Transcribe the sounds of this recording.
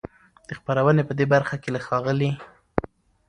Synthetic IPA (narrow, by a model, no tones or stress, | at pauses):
d̪̥əxpaɾawənepəd̪ebaɾxakelaxɑɣəli